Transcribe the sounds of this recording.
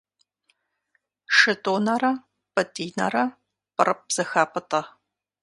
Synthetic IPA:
ʂɨtʼoːnɐɾɐ | pʼɐtʼiːnɐ̰rɐ | pʼɨrɨp̚z̥ɐxaːpʼɐtʼɐ

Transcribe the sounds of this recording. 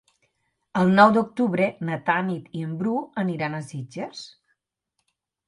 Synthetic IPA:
əlˠnɔwd̪uk̚t̪uβɾenət̪anit̪iəmbɾuəniɾanəsid͡ʒəs

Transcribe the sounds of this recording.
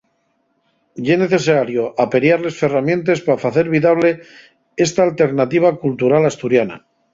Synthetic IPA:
ʎene̞θe̞saɾjoʔape̞ɾjaɾle̞sfe̞ramjẽ̞nt̪e̞spafaθe̞ɾβiðaβ̞le̞ | e̞st̪aːlt̪e̞ɾnat̪iβ̞akult̪uɾalast̪uɾjana̰

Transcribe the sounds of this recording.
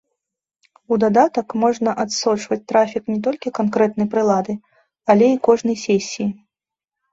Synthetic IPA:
ud̪ad̪at̪ɐkmɔʐnɐʔat̪sɔt͡ʂvɐt͡sʲt̪ɾafʲiknʲɛt̪̬ɔlʲkʲikankɾɛt̪̚nɐjpɾɨlˠad̪ɨ | alʲɛikɔʐnɐjsʲesʲːiji

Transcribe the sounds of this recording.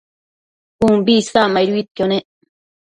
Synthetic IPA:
pumbiskamajɾuit̪̚kone

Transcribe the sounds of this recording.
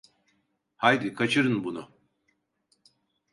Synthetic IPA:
hajd̪ikʰat͡ʃʰɯɾɯnbunʊ̰

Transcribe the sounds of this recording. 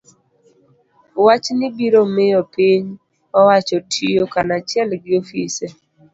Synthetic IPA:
wat͡ʃnɪbiɾomɪjɔpiɲ | ɔwat͡ʃɔtʰijokanat͡ʃjɛlɡɪofise

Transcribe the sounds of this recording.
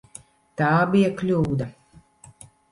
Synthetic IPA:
t̪aːbijɐklʲuːd̪ɐ

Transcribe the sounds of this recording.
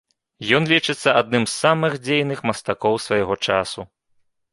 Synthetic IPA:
jɔnlʲit͡ʂɨt̪sːɐad̪nɨmsːamɨxd͡zʲejnɨxmɐst̪akɔwsvajaɣɔt͡ʂasu

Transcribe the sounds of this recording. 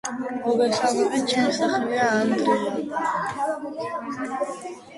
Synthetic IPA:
ɔɡɛsalvɛbit̪̚t͡ʃʰɛmisaχɾiaːnd̪ɾia

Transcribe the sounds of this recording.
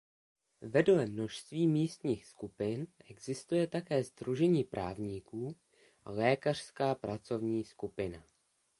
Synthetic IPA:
vɛdolɛmno̞ʃst̪viːmiːst̪ɲiːxskupɪnʔɛɡzɪst̪ujɛt̪akɛːzd̪ɾuʒɛɲiːpɾʔa̰ːvɲiːkuː | ʔa̰lɛːkar̥skaːpɾat͡so̞vɲiːskupɪna

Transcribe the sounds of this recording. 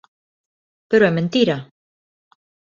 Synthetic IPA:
peɾoɛmẽnt̪iɾa

